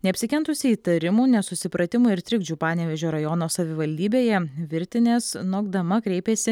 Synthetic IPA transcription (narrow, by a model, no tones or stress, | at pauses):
nʲɛɐpʲsʲɪkʲɛnt̪ʊsʲɪiːt̪ɐɾʲɪmuːnʲɛsʊsʲɪpɾɐt̪ʲɪmuɪɾt̪ʲɾʲɪɡd͡ʒʲuːpɑːnʲɛʋʲɛʒʲoːɾɐjɔːnoːsɐʋʲɪʋɐlʲd̪ʲiːbʲeːjɛʋʲɪɾʲt̪ʲɪnʲeːsnoːɡd̪ɐmɐkɾʲɛɪpʲeːsʲɪ